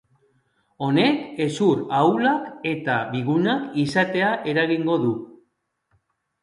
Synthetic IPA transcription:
o̞ne̞ke̞suɾawlake̞t̪aβiɣunakisat̪e̞aʔe̞ɾaɣiŋɡo̞ðu

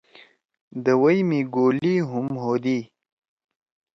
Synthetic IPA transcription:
d̪əwəjmiɡoːliɦʊmɦoːd̪i

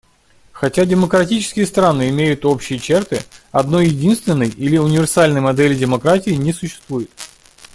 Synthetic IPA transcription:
xɐtʲadʲɪməkɾɐtʲit͡ɕɪ̥skʲɪjəst̪ɾanɨɪmʲejʊt̪o̞pɕːɪjət͡ɕert̪ɨɐd̪no̞jjːɪdʲinst̪vʲɪnːəjilʲɪʊnʲɪvʲɪrsalʲnəjmɐd̪ɛlʲɪdʲɪmɐkɾatʲɪːɪnʲɪsʊɕːɪ̥st̪vujɪt̪̚

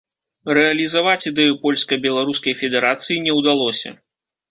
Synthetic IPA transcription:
rɛɐlʲizavat͡sʲid̪ɛjupɔlʲskɐbʲɛlˠaɾuskɐjfʲɛd̪ɛɾat̪sɨjinʲɛwd̪alˠɔsʲɐ̰

